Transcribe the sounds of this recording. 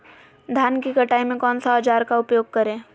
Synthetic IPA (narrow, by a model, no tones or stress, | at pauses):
d̪ʱjaːnkikɐʈaːimẽkɔːnsaɐd͡ʒaːɾkaʊpjoːɡ̚kɐɾẽː